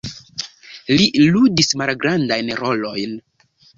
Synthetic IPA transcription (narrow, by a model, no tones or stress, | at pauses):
liludismalɡɾandajnɾo̞lo̞jn